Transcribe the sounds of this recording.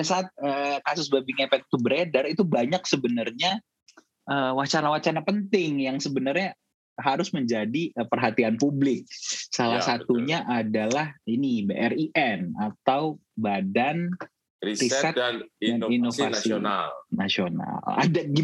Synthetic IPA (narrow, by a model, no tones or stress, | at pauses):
asaːt̪̚əkasʊsbabɪŋepɛt̪̚t̪ubəɾedərit̪ubaɲak̚səbənərɲa | ʔəwat͡ʃanawat͡ʃanapənt̪ɪŋjaŋsəbənərɲa | ɦaɾʊsməɲd͡ʒadiəpərɦat̪ianpublɪk̚salahsat̪uɲaʔadalahinibeʔɛriʔɛnat̪awbadan | irisɛtdaninofasinalnasiona̰la̰daɡi